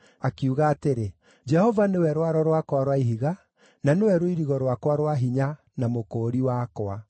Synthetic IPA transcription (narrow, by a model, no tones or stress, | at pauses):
akiuɣaːteɾe | d͡ʒɛhɔvanewɛɾwaɾɔɾwakwaɾwaiɦiɣa | nanewɛɾoiɾiɣɔɾwakwaɾwaɦiɲa | namokoːɾiwakwa